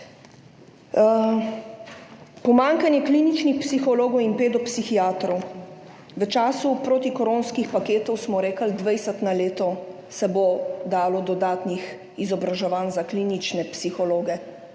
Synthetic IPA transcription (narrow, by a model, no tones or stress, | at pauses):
pɔmaːŋkanjɛkliːnit͡ʃnixpsixɔloːɡɔwinpeːd̪ɔpsixiaːt̪ɾɔw | ʋət͡ʃaːsupɾoːt̪ikɔɾoːnskixpakeːt̪ɔwsmɔɾeːkəld̪ʋɛjsət̪naleːt̪ɔ | sɛbod̪aːlɔd̪ɔd̪aːt̪nix | izɔbɾaʒɛʋaːnzaklinit͡ʃnɛpsixɔloːɡɛ